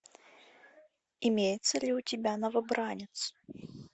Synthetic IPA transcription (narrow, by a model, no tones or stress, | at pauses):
imʲejɪt̪səlʲiʊtʲɪbʲanɐvɐbɾanʲɪt̪s